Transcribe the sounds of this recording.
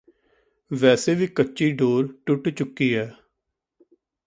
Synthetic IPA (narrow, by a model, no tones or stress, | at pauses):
ʋɛːseːʋiːkətːt͡ʃiːɖoːɾʈʊʈt͡ʃʊkːiːɦɛː